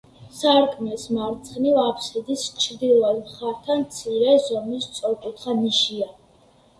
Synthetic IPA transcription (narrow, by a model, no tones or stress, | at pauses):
saɾkʼʰmɛsmaɾt̪sʰχnivapʰsid̪ist͡ʃʰɾd̪ilˠad̪mχaɾt̪ʰanmt̪sʰiɾɛzɔmist̪sʼɔɾkʼut̪ʰχaniʃia